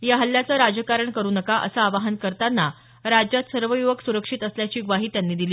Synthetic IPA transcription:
jaɦəlːjat͡səːɾad͡ʑəkaɾəɳkəɾuːnəkaʔə̰saːʋaɦənkəɾt̪anːa | ɾad͡ʑjat̪səɾʋəjuʋəksuɾəkʂit̪əsljat͡ɕiːɡʋaɦiːt̪janːiːd̪iliː

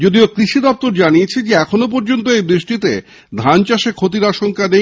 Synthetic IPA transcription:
d͡ʑod̪iokɾiʃid̪ɔp̚t̪oɾd͡ʑaniet͡ɕʰed͡ʑeɛkʰonop̬ɔɾd͡ʑont̪oejbɾiʃʈit̪e | d̪ʱant͡ɕaʃekʰot̪̬iɾaʃoŋkad̪e

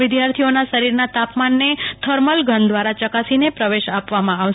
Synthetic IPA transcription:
ɪd̪jaɾt̪ʰionaʃəɾiɾnat̪apmanːet̪ʰəɾməlɡʱənd̪ʋaɾat͡ʃəkasinepɾəʋeʃapʋamãaʋ

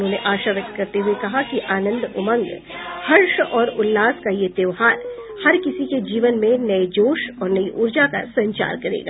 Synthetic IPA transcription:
ʊõːneʔaːʃaʋjək̚t̪kɐɾt̪eɦʊekɐɦakiʔaːnə̃nd̪ʊmə̃ŋɡ | hɐɾʃɔːɾʊlːaːskajed̪eːʋɦaːɾ | hɐɾkɪsiked͡ʒiːʋənmẽnɐed͡ʒoːʃɔːɾnɐiʔʊɾd͡ʒaka̰sɐ̃ɲt͡ʃa̰ːɾkɐɾḛːɡa̰ː

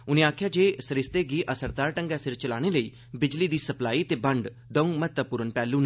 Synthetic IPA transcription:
ʊnẽːaːkʰjad͡ʒeːsəɾɪst̪eɡiːʔəsəɾd̪aːɾʈə̃ŋɡasɪɾt͡ʃəlaːɽ̃eləiː | bɪd͡ʒlid̪iːsəplaːiːt̪eːbə̃ɳɖ | d̪əũmət̪əpʊɾənpɛːlũːnɛ

